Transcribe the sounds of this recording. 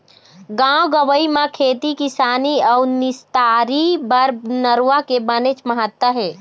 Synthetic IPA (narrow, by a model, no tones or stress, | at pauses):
ɡãɡəʋəimãkʰeːt̪ikisaːniɔunist̪aɾibəɾnəɾuwakebənet͡ʃməɦət̪wəɦɛː